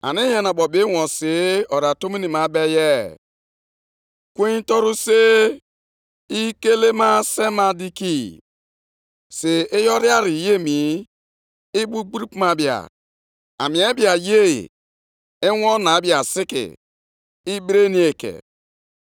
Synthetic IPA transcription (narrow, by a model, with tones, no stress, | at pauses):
a̰˨ni˦ja˨na˨ɓɔ˨be˦wɔ̃˨se˨˦ɔ˨ɾa˨to˦mi˦ni˨ma˨˦bɛ˦jɛ˦˨ | kwe˦n˦tɔ˦ɾu˦se˦ | i˦ke˦le˦ma˦se˦ma˦di˦ki˦ | se˨e˦jɔ˦ɾi˦a˦ɾi˨je˦mi˨˦ | i˦bu˦ɡ͡bu˦ɾi˦pma˨bi˨a̰˨ | a̰˨mĩ˨e˦bi˨a˨jḛ˦˨ | e˦wɔ˦na˨˦bi˨a˨sɪ˦kɪ̰˨ | i˦bɾe˦ni˦e˨kḛ˨